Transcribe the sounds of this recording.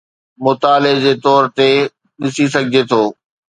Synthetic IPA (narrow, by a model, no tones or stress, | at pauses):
mʊt̪aːled͡ʑeːt̪ɔːɾt̪e | ɗɪsis̬ɐɡʱɪd͡ʑet̪ʰoː